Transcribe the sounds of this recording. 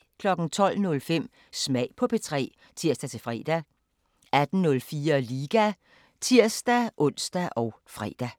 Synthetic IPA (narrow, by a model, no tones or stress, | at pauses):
kʰlɒ̽ɡ̥n̩t͡sʰɒ̽l̰nɔ̽lfem̰ | smɛɪ̰pʰɒ̽pʰe̝t͡sʰʁɛ̰ː | t͡sʰiɐ̰sd̥æt͡sʰe̝fʁɛ̰ːd̥æ | æd̥n̩nɔ̽lfiːɐliːɡ̥æ | t͡sʰiɐ̰sd̥æʔɔ̽n̰sd̥æʔɒ̽ʊ | fʁɛ̰ːd̥æ